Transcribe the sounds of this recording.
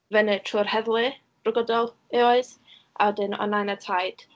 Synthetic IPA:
vɛnɨtʰruːrhɛðlˠɨ̥ | rʊɡɔdɔlˠ | eɔɨs | ʔa̰wɛdɪnɔ̰najnatʰajd̥

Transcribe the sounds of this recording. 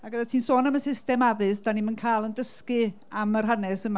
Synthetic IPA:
aɡəðatʰiːnsoːnəmənsɪstɛmaðɨsd̥animənkʰajlˠəndəskɨ | amər̥ɦanɛsəma

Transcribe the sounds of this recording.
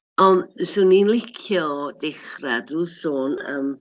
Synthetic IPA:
ɔnsʊninlɪkʰjɔdɪχradruːsoːnəːm

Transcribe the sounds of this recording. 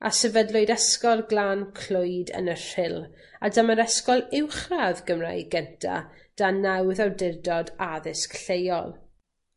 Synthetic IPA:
a̰sɛvɛdlˠʊɨdɛskɔlˠɡlaːnkʰl̥ʊɨjdə̰nər̥ɪlˠ | adaməɾɛskɔlˠɪwχraðɡəmra̰jɡɛntʰa̰d̥anawðawdɪrdɔdaðɪskɬejɔ̰lˠ

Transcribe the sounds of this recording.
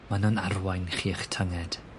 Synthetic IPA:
manʊnarwajnχiːəχtʰəŋɛd̥

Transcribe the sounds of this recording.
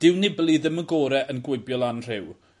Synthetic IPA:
d̥ɪwnɪblˠiðəməɡoːɾɛʔənɡwɪbjɔlˠanr̥ɪw

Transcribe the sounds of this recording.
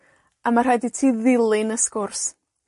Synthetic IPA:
amar̥aditʰiːðɪlˠɪnəskʊrs

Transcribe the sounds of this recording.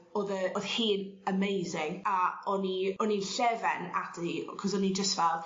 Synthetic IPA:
oːðəoðhiːnəmejzɪŋaɔniɔninɬɛvɛnadikʰɔzɔnid͡ʒəstvɛlˠd

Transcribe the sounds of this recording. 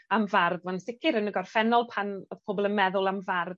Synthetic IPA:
amvarðwansɪkʰɪɾənəɡɔrfɛnɔlˠpʰanoðpʰoːbɔlˠənmɛðʊlˠamvarð

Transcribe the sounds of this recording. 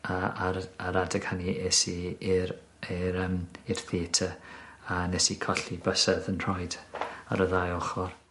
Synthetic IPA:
aaaɾadɛɡ̥haniesiɾ | iɾəmir̥θiːtʰəanɛsikʰɔɬibəsɛðənr̥ɔjda̰ɾəðajɔχɔr

